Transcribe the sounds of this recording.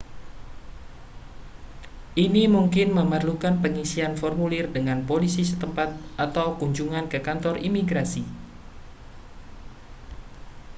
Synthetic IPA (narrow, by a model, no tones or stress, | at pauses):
ʔinimuŋkɪnməmərlukanpəŋisianfɔrmulɪrdəŋanpolisisət̪əmpat̪̚ʔat̪awkuɲd͡ʒuŋankəkant̪ɔrʔimiɡɾasi